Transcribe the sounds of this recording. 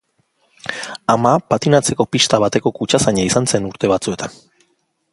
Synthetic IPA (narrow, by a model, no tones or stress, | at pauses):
amapat̪inat͡se̞ko̞piʃt̪aβ̞at̪e̞ko̞kut͡ʃasaɲaisanse̞nuɾt̪e̞βat͡sue̞t̪an